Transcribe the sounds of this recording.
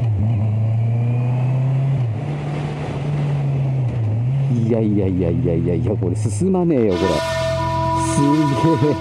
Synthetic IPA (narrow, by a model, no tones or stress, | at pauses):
iaiaiaijaijaiako̞ɾesɨsɨmaneːjokoɾḛ | sɨɡe